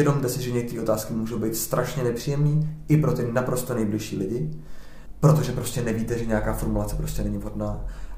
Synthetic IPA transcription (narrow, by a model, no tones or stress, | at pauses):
ɛdo̞mt̪ɛsɪʒɛɲɛkt̪ɛɾiːo̞t̪aːskɪmuːʒowbejt̪st̪ɾʔaʃɲɛnɛpr̝̥iːjɛmniːɪpɾo̞t̪ɪnapɾo̞st̪onɛjblɪʃiːlɪɟɪ | pɾo̞t̪o̞ʒɛpɾo̞scɛnɛviːt̪ɛʒɛɲɛakaːfoɾmulat͡sɛpɾo̞scɛnɛɲɪvɦo̞dnaː